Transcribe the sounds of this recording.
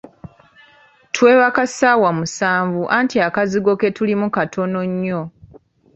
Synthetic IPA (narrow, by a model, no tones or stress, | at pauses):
tʰwe̞ːβakasaːwamusaːɱvuʔantiakaziɡo̞ke̞tulimukatʰo̞no̞ɲːo̞